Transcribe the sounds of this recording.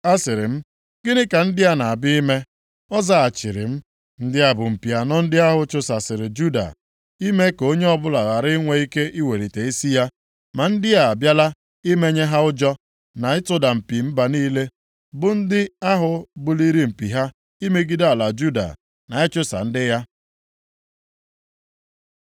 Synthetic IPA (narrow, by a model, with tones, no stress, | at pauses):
a˦sɪ˨ɾɪ˨m̩˦ | ɡɪ˦dɪ˦ka˨n̩˦dɪ˦a˦na˨a˨bɪ˦i˦me˦ | ɔ˦za˦˨a˨t͡ʃɪ˨ɾɪ̰˨m̩˦ | n̩˦dɪ˦a˨bʊ˨m̩˨pi˨a˨nɔ˦n̩˦dɪ˦a˦ɦʊ˦t͡ʃʊ˦sa˨sɪ˨ɾɪ˨d͡ʒu˦da̰˨ | i˦me˦ko˦ɲe˦ɔ˦bʊ˦la˨ɣa˨ɾɪ˦ŋʷe˦i˦ke˦ʔi˦we˨ɾi˨te˨i˦si˦ja˦ | ma˨n̩˦dɪ˦a˨a˨bja˦la˦ | i˦me˦ɲe˦ɦa˦ʊ˦d͡ʒɔ˦ | na˨ɪ˦tʊ˦da˨m̩˨pi˨m̩˦ba˨niː˦le˦ | bʊ˨n̩˦dɪ˦a˦ɦʊ˨bʊ˦li˦ɾi˦m̩˨pi˨ɦa˦ | i˦me˦ɡi˦da˦˨a˨la˨d͡ʒu˦da̰˨ | na˨ɪ˦t͡ʃʊ˦sa̰˨n̩˦dɪ˦ja˦